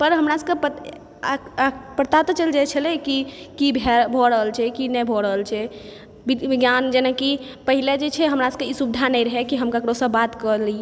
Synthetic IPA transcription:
pəɾɦəmɾasəkepə | pəɾt̪at̪ɔt͡ʃəld͡ʒat͡ʃʰəlɛkikibʱɛbʱɔɾəɦəlt͡ʃʰɛkinɛbʱɔɾəɦəlt͡ʃʰɛ | biɡjand͡ʒenakipəɦiled͡ʒet͡ʃʰɛɦəmɾaskeisubid̪ʱanəjɾəɦɛkiɦəmkakɾosəbat̪kəli

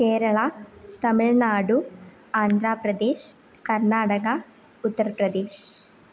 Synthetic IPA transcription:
keːɾɐɭɐt̪ɐmiɭnaːɽu | aːnd̪ʱɾaːpɾɐd̪eːʃ | kɐɾnaːɽɐɡɐ | ut̪ːɐɾɐpɾɐd̪eːʃ

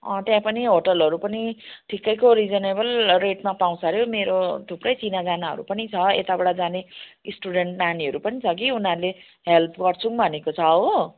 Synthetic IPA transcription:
ʌ̃t̪jãpʌniɦoʈʌlʌɾupʌniʈʰikːʌjkoɾid͡zʌnebʌlreʈmapaw̃sʌɾjomeɾoʈuprʌjt͡sinad͡zanaɦʌ̰ɾṵpʌnit͡sʰʌḛt̪abʌɽad͡zanesʈuɽeɳʈnaniʌɾupʌnit͡sʰʌk̬iunaɾule | ɦelpɡʌrt͡sʰuŋbʱʌnekot͡sʰʌo

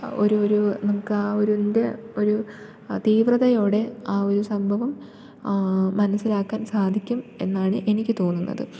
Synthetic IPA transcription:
o̞̰ɾuoɾunɐmukːɨaːoɾunde̞o̞ɾu | t̪iːʋrɐðɐjo̞ːɽe̞aːo̞ɾusɐmbʱɐʋɐm | ɐnɐsːilaːkːaːnsaːd̪ʱikʲːume̞nːaːɳɨʔe̞nikʲːɨt̪o̞ːnːunːɐ̰ðɨ

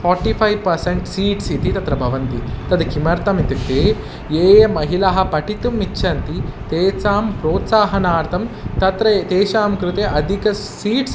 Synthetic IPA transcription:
fʰɔːɾʈipʰɐjʋpɐɾseɳʈsiːʈsit̪it̪ɐt̪ɾɐbʱɐʋɐnt̪it̪ɐd̪kimɐɾt̪ɐmit̪it̪eː | jeːmɐɦilaɦɐ̆pɐʈit̪umːitːʃʰɐnt̪it̪eːsaːmpɾoːt̪saːɦɐnaːɾt̪ʰɐmt̪ɐt̪ɾɐt̪eːʃaːmkɾut̪eʔɐd̪ʱikɐ | siːʈs

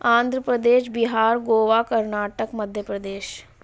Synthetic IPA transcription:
ãːnd̪ʱɾəpɾəd̪eːʃbiɦaːɾɡoːʋaːkəɾnaːʈəkməd̪ʱjəpɾəd̪eːʃ

